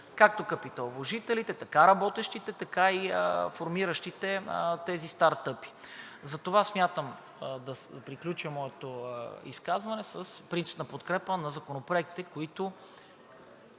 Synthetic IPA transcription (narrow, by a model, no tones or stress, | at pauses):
kak̚t̪okɐpit̪ɐlˠvoʒit̪ɛlit̪ɛt̪ɐkaɾɐbɔt̪ɛʃt̪it̪ɛt̪ɐkaifoɾmiɾəʃt̪it̪ɛt̪ɛzist̪aɾt̪ɤpi̥ | zɐt̪ovasmʲjat̪əm | d̪ɐpɾiklʲut͡ʃəmɔɛt̪oḭskazvɐnɛsəspɾint̪si̥pnɐpot̪kɾɛpənɐzɐkonopɾoɛk̪̚t̪ɛkoit̪o